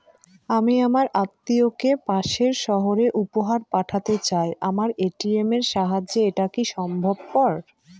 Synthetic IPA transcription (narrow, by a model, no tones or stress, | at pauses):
amiamaɾʔat̪ːiokepaʃeɾʃɔɦoɾeʔupoɦaɾpaʈʰat̪et͡ɕaeʔamaɾeʈiemeɾʃaɦad͡ʑeeʈakiʃɔmbʱob̚pɔɾ